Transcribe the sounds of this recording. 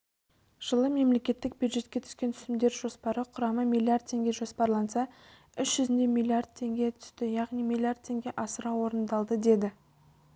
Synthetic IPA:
ʒ̥əlˠəme̞mle̞kʲe̞t̪ːɪk̚bjud̪ʒe̞t̪kʲe̞t̪ʰʏ̥skʲent̪ʰʏ̥sɪmd̪e̞ɾʒo̞spɑɾəqʰʊɾɑməmʲijlʲˠiard̪̚t̪ʰːe̞ŋɡʲe̞ʒo̞spɑɾlˠɑnsɑ | ʏʃʒ̥ʏzɪnd̪e̞milʲiard̪̚t̪ʰe̞ŋɡʲe̞t̪ʰʏ̥st̪ɪjɑʁnijmilʲˠijard̪̚t̪ʰːe̞ŋɡʲe̞ʔɑsəɾɑwo̞ɾənd̪ɑlˠd̪əd̪e̞d̪ɪ

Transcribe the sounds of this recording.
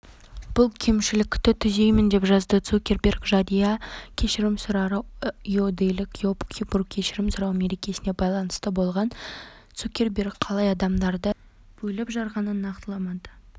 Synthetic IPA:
b̥ʊlˠkʲʰe̞mʃɪlɪkʲt̪ːɪt̪ʰʏze̞jmɪnd̪e̞pʒɑzd̪ət̪sukʲe̞rbʲerkʒɑd̪ijɑkʲʰe̞ʃɪɾɪmsʊɾɑɾɑeod̪ejlɪkjopkʲʰiburk̚kʲʰe̞ʃɪɾɪmsʊɾɑwme̞ɾe̞kʲe̞sɪne̞bɑjlˠɑnəst̪əbo̞lˠʁɑnt̪sukʲe̞ɾbʲe̞rkqʰɑlˠɑjɑd̪ɑmd̪ɑɾd̪ə | b̥ɵjlɪpʒɑɾʁɑnənːɑqt̪əlˠɑmɑd̪ə̥

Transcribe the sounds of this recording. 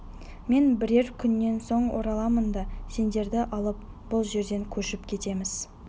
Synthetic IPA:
me̞nbɪɾe̞ɾkʲʰʏnːe̞nso̞ɴwo̰ɾɑlˠɑmənd̪ɑse̞nd̪e̞ɾd̪ɪʔɑlˠəp̚ | b̥ʊlˠʒe̞ɾd̪e̞ŋkʲʰɵʃɪpkʲʰe̞t̪e̞mɪz̥

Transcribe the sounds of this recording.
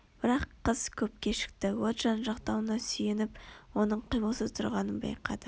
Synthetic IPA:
b̥ɪɾɑqʰːəz̥kʲʰɵp̚kʲe̞ʃɪ̥k̚t̪ɪwot̪ʒ̥ɑnʒɑqt̪ɑwənɑsʏjenɪpwo̞nəɴqʰijməlˠsəzt̪ʰʊɾʁɑnənbɑ̰jqɑ̰d̪ə

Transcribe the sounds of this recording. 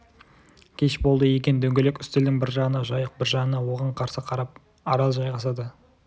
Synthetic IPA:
kʲʰe̞ʃbo̞lˠd̪əje̞kʲe̞nd̪ɵŋɡʲe̞lekʲʏst̪ɪld̪ɪŋbɪɾʒɑʁənɑʒɑjəq̚bɪɾʒɑʁənɑwo̞ʁɑɴqʰɑɾsəqʰɑɾɑp̚ | ɑɾɑlˠʒɑjʁɑsɑd̪ə

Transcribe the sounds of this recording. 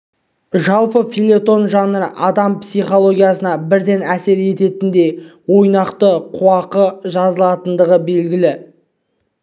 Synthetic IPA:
ʒɑlˠpəfijlʲˠe̞t̪o̞nʒɑnəɾəʔɑd̪ɑmpsijχo̞lˠo̞ɡʲijasənɑbɪɾd̪e̞næse̞ɾe̞t̪e̞t̪ɪnd̪e̞wo̞jnɑqt̪əqʰuwɑqəʒɑzəlˠɑt̪ənd̪əʁəbe̞lɡʲɪlɪ

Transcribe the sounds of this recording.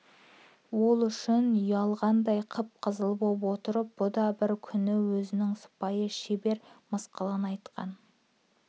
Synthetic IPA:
wo̞lˠʏʃɪnjɑlˠʁɑnd̪ɑjqʰəp̚qʰəzəlˠəpolpwo̞t̪əɾəp̚b̥ʊd̪ɑbɪɾkʲʰʏnɪwɵzɪnɪŋsʊ̥pɑjəʃebe̞ɾməsqəlˠɑnɑjt̪qʰɑ̰n

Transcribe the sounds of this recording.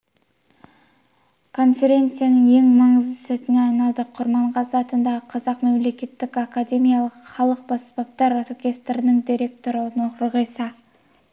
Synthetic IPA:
kʰo̞nfʲe̞ɾʲe̞nt̪sɨjanəŋe̞ŋmɑɴəzsæt̪ɪneɑnɑd̪əqʰʊɾmɑɴʁɑsɑt̪ənd̪ɑʁəqʰɑzɑqmemle̞kʲe̞t̪ːɪkakad̪ʲe̞mijɑlˠəqχɑlˠəq̚bɑspɑp̚t̪ɑɾorkʲe̞st̪ɾɪnəŋd̪ʲiɾʲe̞k̚t̪o̞ɾənoɾəʁejsɑ

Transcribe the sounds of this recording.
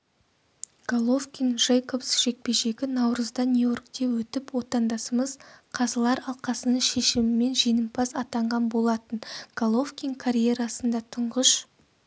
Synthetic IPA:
ɡ̥olˠofkʲinʒejkopsʒ̥e̞k̚pe̞ʒe̞ɡʲɪnɑwɾəzd̪ɑnʲujo̞rkt̪e̞wɵt̪ɪpwo̞t̪ɑnd̪ɑsəməzqʰɑzəlˠɑɾɑlˠqɑsənəɴʃeʃɪmɪme̞nʒijnəmpʰɑsɑt̪ɑɴʁɑnbo̞lˠɑt̪ənɡ̥alˠo̞fkʲiŋkʰaɾʲije̞ɾɑsənd̪ɑt̪ʰʊɴʁəʃ

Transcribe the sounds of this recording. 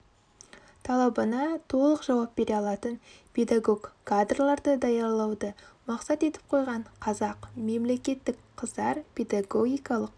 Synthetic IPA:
t̪ʰɑlˠɑbənɑt̪ʰo̞lˠəqʒ̥ɑwɑpbe̞ɾeɑlˠɑt̪ənpʰe̞d̪aɡo̞ɡkʰːad̪rlˠɑɾd̪əd̪ɑjɑɾlˠɑwd̪əmɑqsɑt̪e̞t̪ɪ̥p̚qʰo̞jʁɑɴqʰɑzɑqme̞mle̞kʲe̞t̪ːɪkqʰəzd̪ɑɾpʰe̞d̪aɡo̞ɡʲijkɑlˠəq̚

